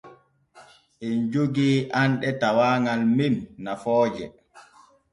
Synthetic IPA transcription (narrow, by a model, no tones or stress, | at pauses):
ʔind͡ʒuɡiʔanɗɛtawaːŋalmimnafɔːd͡ʒɛ